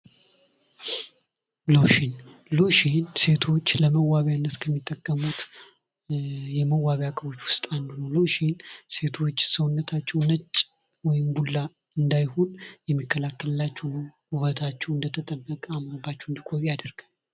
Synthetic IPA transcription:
loʃinloʃinse̞t̪ʰo̞t͡ʃːləməwaβanːət̪kʰəmːit̪ʼːəkʼːəmut̪ | jɛməwːaβjakʼəβo̞t͡ʃːwʊst̪ʼand̪ɨnəwloʃinse̞t̪ʰo̞t͡ʃːsəwnːət̪ʰat͡ʃːɛwnət͡ʃʼː | wɔjɪmbulːa | ɨnd̪ajho̞njɛmːikʰːəlakːələlːat͡ʃːɛwnəwhuβət̪ʰat͡ʃːɛwɨnd̪ət̪ʰət̪ʼəbːəkʼamɾəbːat͡ʃːɛwɨnd̪ikʼoβiad̪əɾɡ̥an

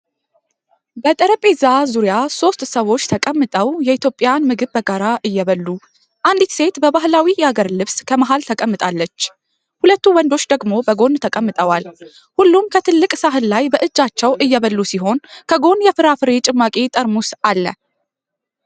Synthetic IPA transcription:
bət̪ʼəɾəpʼezazuɾijaso̞st̪ʼsəwo̞t͡ʃːt̪ʰəkʼəmːɨt̪ʼəwjɛit̪ʰjo̞pʼːɪjanmɨɡɨβbəɡaɾaʔɨjːɛβəlːu | ʔand̪it̪se̞t̪bəbaɦlawijɛhaɡəɾlɨβskʰəmaɦalt̪ʰəkʼəmːɨt̪ʼalːət͡ʃː | hulət̪ːuwɔnd̪o̞t͡ʃːd̪əɡmo̞bəɡo̞nt̪ʰəkʼəmːɨt̪ʼəwal | hulːumkʰət̪ʰɨlːɨkʼsaɦɨlːajbəʔɨd͡ʒːat͡ʃːɛwʔɨjːɛβəlːusiɦo̞nkʰəɡo̞njɛfɨɾafɨɾet͡ʃʼɨmːakʼet̪ʼəɾmusalːə̰

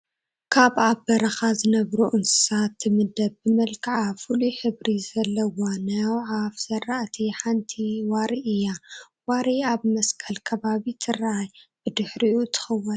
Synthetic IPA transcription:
kʰaβabɐɾɐxazɨnɐβɾuʔɨnsɨ̥sat̪ʰːɨmɨd̪ɐbːɨmɐlkʰʕafuluħɨβɾizɐlːɐwanɐwʕafz̥ɐrːaʔt̪ʰiħant̪ʰiwaɾiʔɨjːa | waɾiaβmɐskʰɐlkʰɐβaβit̪ʰɨraajb̥ɨd̪ɨħɾiʔut̪ʰɨ̥xɐwːɐn

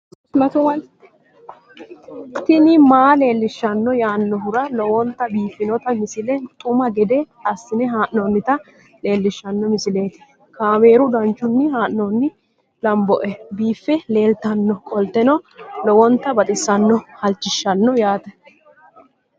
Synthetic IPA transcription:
mɐt̪ʊmɐ | t̪ɪnɪmaːle̞ːlːɪʃːɐnːɔjaːnːɔɦʊɾɐlɔwɔnt̪ːɐbiːfːɪnɔt̪ɐmɪsɪlɛt̪ʼʊmɐɡɛd̪ɛ | ɐsːɪnɛɦaːʔnɔnːɪt̪ɐ | le̞ːlːɪʃːɐnːɔmɪsɪle̞ːt̪ɪ̥ | kʰaːme̞ːɾʊd̪ɐnt͡ʃːʊnːɪhaːʔnɔnːɪ | lɐmbɔʔɛbiːfːɛle̞ːlt̪ɐnːɔkʼɔlt̪ːɛnɔlɔwɔnt̪ːɐbɐt̪ʼɪsːɐnːɔhɐlt͡ʃːɪʃːɐnːɔjaːt̪ɐ

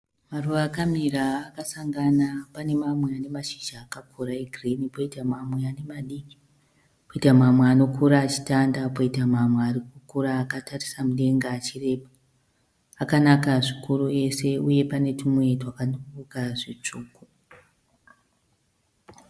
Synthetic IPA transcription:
maruʋaːkamiɾaːkasaŋɡanapane̞mamweane̞maʃiʒaːkakʰuɾaeɡʱrinipo̞itamamwe̞ane̞maɗiki̥ | poitamamweano̞kʰuɾaːt͡ʃi̥tandapoitamamwearikukuɾaːkatarisamuɗe̞ŋɡaːt͡ʃire̞paː | kanakaʐikurue̞se̞uje̞pane̞tʰumwetwakanokukukaʐit͡ʂuːku

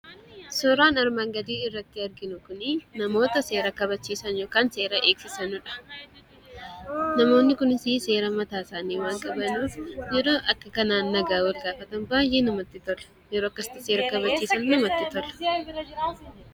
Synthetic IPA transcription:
sɔɾaːnɐɾmaːŋɡɐd̪iːɪrːɐt̪ːɪɐɾɡɪnʊkʊnɪnɐmo̞ːt̪ɐse̞ːɾɐkɐbɐt͡ʃːiːsɐnjo̞ːkaːnse̞ːɾɐʔe̞ːksɪsɐnʊᶑɐ̥ | nɐmo̞ːnːɪkʊnɪsɪse̞ːɾɐmɐt̪aːsaːniːwaːŋkʼɐbɐnuːfjɛɾo̞ːʔɐkːɐkɐnaːnːɐɡaːwɐlɡaːfɐt̪ɐnbaːjʔeːnɐmɐt̪ːɪt̪ɔlɐ̥ | jɛɾoːɐkːɐsɪ̥t̪ːɐseːɾɐkɐβɐt͡ʃːiːsɐnnɐmɐt̪ːɪt̪ɔlɐ̥

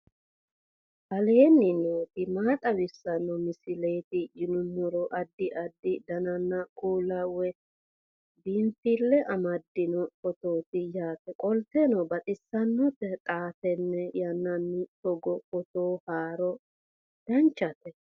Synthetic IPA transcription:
bɐleːnːɪnoːt̪ɪmaːt̪ʼɐwɪsːɐnːɔmɪsɪle̞ːt̪ɪd͡ʒɪnʊnːɔɾɔʔɐd̪ːɪʔɐd̪ːɪd̪ɐnɐnːɐkʼuːlɐwɛ | biːnt̪ɪlːɛʔɐmɐd̪ːɪnɔkɔt̪oːt̪ɪjaːt̪ɛkʼɔlt̪ɛnɔbɐt̪ʼɪsːɐnːɔpːɛt̪ʼaːtɛnːɛjɐnːɐnːɪt̪ɔɡɔkɔt̪oːhaːɾɔ | d̪̥ɐnt͡ʃːɐt̪ɛ

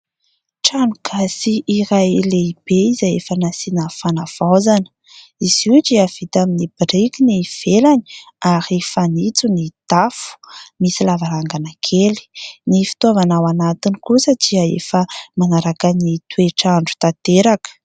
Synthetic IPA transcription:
ʈ͡ʂaɳɖ͡ʐuɡ̥asiʔiɾajleib̥eizajefənasinafanav̥azanə̥ | iz̥iʈ͡ʂiav̥it̪aminib̥irikiniv̥elani̥ | aɾifanit͡sunit̪afu̥misilavaɾaŋɡanakʰeli̥nifi̥t̪uavanawanat̪inikusədiəḛfəmanaɾakanit̪weʈ͡ʂaɳɖ͡ʐu̥t̪at̪eɾakə̥

